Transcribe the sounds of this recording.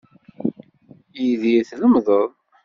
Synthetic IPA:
iðiθləmðˤəðˤ

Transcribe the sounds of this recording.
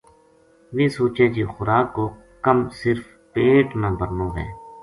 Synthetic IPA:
ʋiːsuːt͡ʃẽːd͡ʒiːxʊɾaːkːoː | kəmsɪɾf | peːʈnaːbəɾnõːɦɛ̰ː

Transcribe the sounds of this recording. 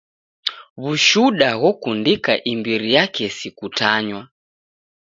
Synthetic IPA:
βuʃuɗaɣɔkundikaʔimbiɾijakɛsikutaɲwa

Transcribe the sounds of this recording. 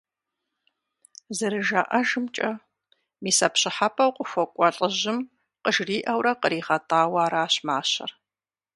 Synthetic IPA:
zɨɾɨʒaːʔɐʒɨmt͡ʃʼɐ | miːsɐpɕɪħapʰʼɐwqʷʼʊxʷɔkʷʼɔɬʼəʑɪm | qəʒriːʔɐwɾɐqəɾiːχɐtʰʼaːwaːɾaːɕmaːɕɐ̰r

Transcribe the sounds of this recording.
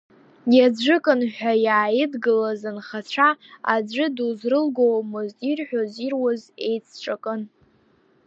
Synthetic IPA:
jad͡ʒʷɨkʼɨnħʷᶣajaːjɪdɡɨlazɨnχat͡ɕʷʰaa̰d͡ʒʷɨduzrɨlɡowmoztʼirħʷᶣozirwaze̞̰jt͡sʰt͡ʃʷʰʼakʼɨn

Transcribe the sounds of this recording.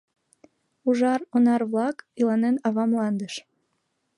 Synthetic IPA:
uʒɑronɑrβlɑkilɑnenɑβɑmlɑnd̪əʃ

